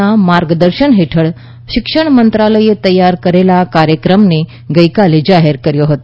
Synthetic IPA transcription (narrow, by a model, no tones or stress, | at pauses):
amaɾɡd̪əɾʃəɳɦeʈʰəɭ | ʃɪkʃəɳ̃mənt̪ɾaləiet̪əjːaɾkəɾelakaɾjəkɾəmne | ɡəjkaled͡ʒaɦeɾkəɾjoɦət̪o